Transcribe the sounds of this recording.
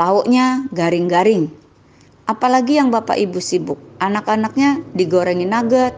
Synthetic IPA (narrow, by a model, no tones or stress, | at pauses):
laɔʔɲaɡaɾɪŋɡaɾɪŋ | ʔapalaɡijaŋbapa̰ʔibusibʊk̚ʔanakanak̚ɲadiɡoɾɛŋinaɡət̪̚